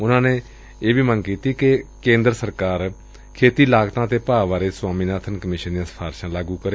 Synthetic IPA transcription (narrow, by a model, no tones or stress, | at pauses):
ʊnãːneː | eːʋiːmənkiːt̪iːkɪkẽːnd̪ɾsəɾkaːɾ | kʰeːt̪iːlaːɡt̪ãːt̪eːpaːʋaːɾeːsʊwaːmĩːnaːt̪ʰənkəmɪːʃənd̪ijãːspʰaːɾʃãːlaːɡũːkəɾeː